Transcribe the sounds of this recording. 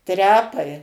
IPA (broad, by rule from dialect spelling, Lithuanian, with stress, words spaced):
ˈtʲrʲæːpɐɪ